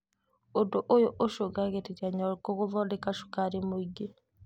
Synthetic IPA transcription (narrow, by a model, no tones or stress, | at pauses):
odoʔojoʔoʃoɡaɣeteɾiaɲɔɾkoɣovɔdekaʃu̥kaɾemoiɡe